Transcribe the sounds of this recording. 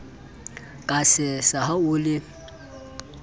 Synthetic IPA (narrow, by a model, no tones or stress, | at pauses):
kʼasɪsahaʊlɪ